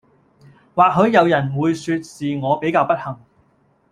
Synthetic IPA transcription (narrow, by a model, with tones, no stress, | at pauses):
waː˨k̚ɦɵ˨˧ɥjɐ˨˧wjɐ˨˩nwuː˨˧jsyː˧t̚siː˨ŋɔː˨˧pe˨˥jkaː˧wpɐ˥t̚hɐ˨˩ŋ